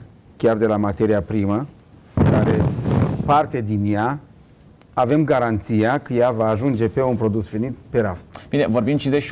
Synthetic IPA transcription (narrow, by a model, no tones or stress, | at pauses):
kʲard̪e̞lamat̪e̞ɾiapɾimə | kaɾepart̪e̞d̪inja | ve̞mɡaɾant̪sijakəjavaːʒund͡ʒe̞pe̞unpɾo̞d̪usvenit̪̚pe̞ɾafb̥inevo̞ɾbimʃid̪eʃ